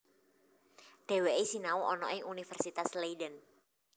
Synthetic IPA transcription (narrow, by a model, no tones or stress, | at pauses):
ɖ̥e̤weʔisinauʔɔnɔ̰ɪŋunifɛrsit̪asleidən